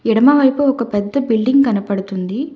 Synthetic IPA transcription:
iɽɐmɐʋɐjpuɔkɐpɛd̪ːɐbilɖiŋɡɡɐnɐpɐɽut̪und̪i

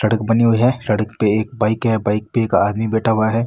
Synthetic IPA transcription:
ʃɐɽəkbɐniɦuiɦɛːsɐɽəkpeeːk̚baːɪkɦɛbaːɪk̚peeːka̰ːd̪mibeːʈaʋɐaɦɛː

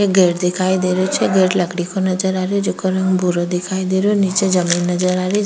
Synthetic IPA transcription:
eɡeʈd̪ekʰajd̪eɾot͡ʃʰeɡeʈləkɽikonəd͡ʒəɾaɾjed͡ʒokəɾəŋɡbʱuɾod̪ekʰajd̪eɾonit͡ʃed͡ʒəminːəd͡ʒəɾaɾe

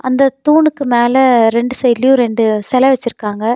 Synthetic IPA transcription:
ʔɐnd̪ɐt̪uːɳɯkːɯmeːlɐɾɛɳɖɯsɛjlɪjuɾɛɳɖɯsɛlɐʋɛt͡ʃːɪɾɯkːaːŋɡɐ

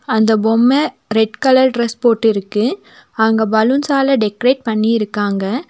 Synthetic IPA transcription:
ɐnd̪ɐbɔmːɐ | ɾɛʈkɐlɐɾʈɾɛspoːʈːɪɾɯkːɯ | ɐɐŋɡɐbɐlɯnsaːlɐɖɛkɐɾeːʈ̚pɐɳːiɪɾɯkːaːŋɡɐ

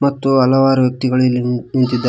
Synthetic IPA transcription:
mɐt̪ːuɐlɐʋaːɾɐʋjɐk̚t̪iɡɐɭilːnint̪id̪ːa

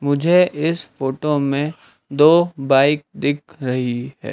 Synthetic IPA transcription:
mʊd͡ʒʱeʔɪsfoːʈomẽ | d̪oːbaːɪk̚d̪ɪk̚ʰɾɐɦiɦɛ̰ː

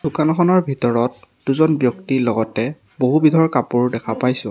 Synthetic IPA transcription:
d̥ʊkanɔkʰɔnɔɹbʱitɔɹɔt | d̥uzɔnbjɔktilɔɡɔtɛ | boɦubidʱɔɹkapuɹdɛkʰapajsʊ̃

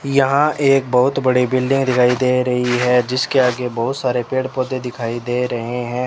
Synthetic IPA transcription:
jɐɦãʔeːk̚bɐɦʊt̪bɐɽibɪlɖɪ̃ŋɡd̪ɪkʰaːid̪eːɾɐɦiɦɛd͡ʒɪskeaːɡebɐɦʊt̪saːɾepeːɽpoːd̪ed̪ɪkʰaːid̪eːɾɐɦeɦɛ̃ː

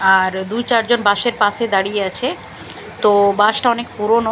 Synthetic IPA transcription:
aɾd̪ujt͡ɕaɾd͡ʑonbaʃeɾpaʃed̪aɽijeat͡ɕʰe | t̪obaʃʈaɔnekpuɾono

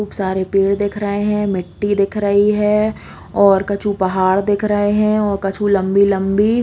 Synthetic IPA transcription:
uːbsaːɾepeːɽd̪eːkʰɾəɦeɦɛ̃mɪʈːid̪ɪkʰɾəɦiɦɛ̃ː | ɔːɾkɐt͡ʃupɐɦaːɽd̪eːkʰɾəɦeɦɛ̃ɔːɾkɐt͡ʃʰulɐ̃mbilɐ̃mbi

